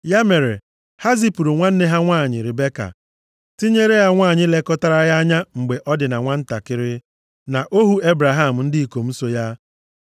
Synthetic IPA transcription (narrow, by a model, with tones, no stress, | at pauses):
ja˦me˨ɾe˨ | ha˦zi˦pu˨ɾu˨ŋʷa˦n̩˦ne˦ɦa˦ŋʷaː˦˨ɲɪ˨ɾɪ˨be˦ka̰˨ | ti˦ɲe˦ɾe˦ja˦ŋʷaː˦˨ɲɪ˦le˦kɔ˦ta˦ɾa˦ja˦a˦ɲa˦ŋ͡m̩˨ɡ͡be˨ʔɔ˦dɪ˨na˨ŋʷa˦n̩˦ta˨kɪ˦ɾɪ˦ | na˨ʔo˦ɦu˦e˦bɾa˨ɦa˦˨m̩˨n̩˦dɪ˦i˨ko˨m̩˦so˦ja˦